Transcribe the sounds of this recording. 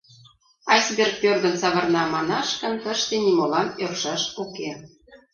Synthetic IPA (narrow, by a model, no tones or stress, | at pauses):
ɑsbʲerk̚pørd̪ə̆nt͡sɑβɤ̆rnɑmɑnɑʃkə̆nt̪əʃt̪enimolɑnørʃɑʃuke